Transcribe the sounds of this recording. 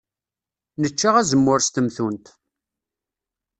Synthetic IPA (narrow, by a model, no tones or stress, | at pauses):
nət͡ʃːaʁæzəmːʊɾst̪əmθunt̪